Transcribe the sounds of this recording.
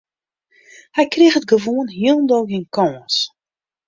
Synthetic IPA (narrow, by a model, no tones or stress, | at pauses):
hɛjkrexət̚ɡəʋoənɦiəlˠndoːɡinkɔːns